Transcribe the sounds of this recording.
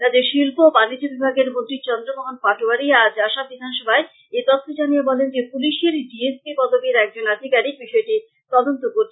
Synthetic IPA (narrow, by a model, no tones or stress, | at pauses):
t̪ad̪eɾʃilpobanid͡ʑobibʱaɡeɾmont̪ɾit͡ɕɔnd̪ɾobɔɦonpaʈoaɾiad͡ʑaʃabid̪ʱanʃɔbʱae | et̪ɔt̪ʰːod͡ʑanijebɔlend͡ʑepuliʃeɾɖiespibɔd̪obiɾɛk̚d͡ʑonad̪ʱikaɾik̚biʃɔeʈi | t̪ɔd̪ont̪okoɾt͡ɕʰe